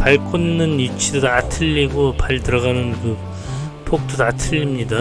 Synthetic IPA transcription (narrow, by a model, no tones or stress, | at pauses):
paɭkʰonːɯnut͡ɕʰidotatʰɯʎːiɡopaɭtɯɾʌɣanɯnkɯ | pʰok̚t͈otatʰɯʎːimɲida